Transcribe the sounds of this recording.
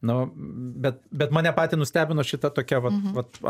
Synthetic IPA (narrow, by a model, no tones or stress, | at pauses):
nʊbʲɛt̪̚bʲɛt̪mɑːnʲɛpɑːt̪ʲiːnʊsʲt̪ʲæːbʲɪnoːʃʲɪt̪ɐt̪oːkʲɛʋɐt̪ʋɐt̪